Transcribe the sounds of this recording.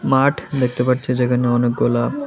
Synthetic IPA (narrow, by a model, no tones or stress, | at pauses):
maʈʰd̪ek̚ʰt̪epaʈt͡ɕʰed͡ʑekʰaneɔnek̚ɡola